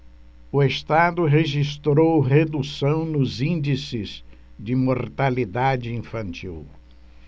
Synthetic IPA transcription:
ʊest̪ad̪ʊɦeʒist̪ɾowɦed̪usɐ̃w̃nʊzĩnd͡ʒisɪz̥ | d͡ʒɪmoɾt̪alid̪ad͡ʒɪĩfɐ̃nt͡ʃiw

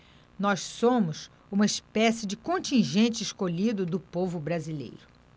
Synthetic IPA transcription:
nɔssõmʊs | ũmɐispɛsɪd͡ʒɪkõnt͡ʃĩʒẽnt͡ʃɪʃkoʎid̪ʊd̪ʊpovʊbɾazilḛjɾʊ

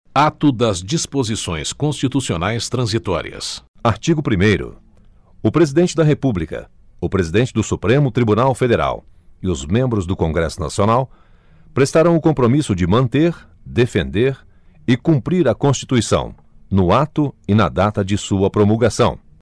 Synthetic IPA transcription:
at̪ʊd̪ɐzd͡ʒispozisõ̰j̃skõst͡ʃit̪usionajst̪ɾɐ̃zit̪ɔ̰ɾḭɐ̰saɾt͡ʃiɡʊpɾimejɾʊ̰ | ʊpɾezid̪ẽnt͡ʃɪd̪ɐɦepublikɐ̰ | ʊpɾezid̪ẽnt͡ʃɪd̪ʊsupɾẽmʊt̪ɾibunawfed̪eɾa̰w | ɪʊzmẽmbɾʊzd̪ʊkõŋɡɾɛ̰sʊna̰sionaw | pɾest̪aɾɐ̃w̃ʊkõpɾomisʊd͡ʒɪmɐ̃nt̪eɾ | d̪efẽnd̪eɾ | ɪkũmpɾiɾɐkõst͡ʃi̥t̪uisɐ̰̃w̃ | nʊat̪ʊɪnɐd̪at̪ɐd͡ʒɪsuɐpɾomulɡasɐ̃w̃

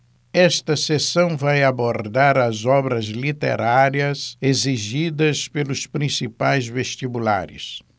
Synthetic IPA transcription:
ɛst̪ɐsesɐ̃w̃vajaboɾd̪aɾɐzɔbɾɐzlit̪ḛɾaɾiɐseziʒid̪ɐspelʊspɾĩsipajzveʃt̪ibula̰ɾʊ̰s

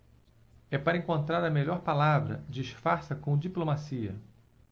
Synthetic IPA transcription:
ɛpaɾɐẽŋkõnt̪ɾaɾɐmeʎɔɾpalavɾɐ̰d͡ʒɪːʃfaɾsɐkõd͡ʒiplomasiɐ̰

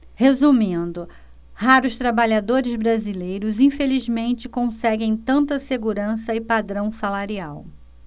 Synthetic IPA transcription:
hezumĩnd̪ʊ | haɾʊʃt̪ɾabaʎad̪oɾɪzbɾazilejɾʊzĩfelizmẽnt͡ʃɪkõsɛɡẽj̃t̪ɐ̃nt̪ɐseɡuɾɐ̃sɐɪpad̪ɾɐ̃w̃salaɾiaw

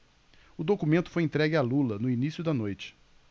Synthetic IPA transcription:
ʊd̪okumẽnt̪ʊ̥fojẽt̪ɾɛɡɪalulɐnʊinisjʊd̪ɐnojt͡ʃɪ̥

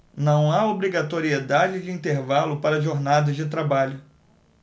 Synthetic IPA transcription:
nɐ̃w̃aobɾiɡat̪oɾied̪ad͡ʒɪd͡ʒɪĩnt̪eɾvalʊpaɾɐʒoɾnad̪ɐzd͡ʒɪt̪ɾabaʎʊ

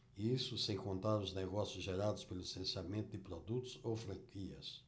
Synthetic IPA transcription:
isʊsẽj̃kõnt̪aɾʊznɛɣɔsjʊzʒeɾad̪ʊspelʊisẽnsjamẽnt̪ʊd̪ɪpɾod̪ut̪ʊzowfɾɐ̃ŋkʰiɐ̰s

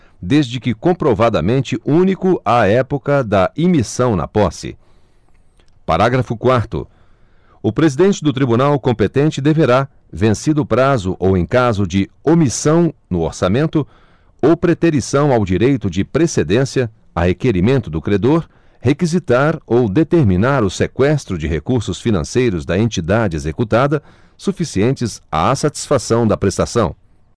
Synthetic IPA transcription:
d̪ezd͡ʒɪkɪkõpɾovad̪ɐmẽnt͡ʃɪʔũnikʊʔaɛpokɐd̪ɐʔimisɐ̃w̃nɐ̰pɔsɪ̰ | pa̰ɾaɡɾɐfʊkwaɾt̪ʊ̰ | ʊpɾezid̪ẽnt͡ʃɪd̪ʊt̪ɾibunawkõpet̪ẽnt͡ʃɪd̪eveɾa | vẽsid̪ʊːpɾazʊʔowẽj̃kazʊd͡ʒɪomisɐ̃w̃nʊoɾsamẽnt̪ʊ | owpɾet̪eɾisɐ̃w̃awd͡ʒiɾejt̪ʊd͡ʒɪpɾesed̪ẽsiɐ | ɐhekeɾimẽnt̪ʊd̪ʊkɾed̪oɾ | hekizit̪aɾowd̪et̪eɾminaɾʊsekwɛst̪ɾʊd͡ʒɪɦekuɾsʊsfinɐ̰̃sejɾʊzd̪ɐẽnt͡ʃid̪ad͡ʒɪezekut̪ad̪ɐ | sufisiẽnt͡ʃɪza̰asat͡ʃi̥sfasɐ̃w̃d̪ɐpɾest̪asɐ̃w̃

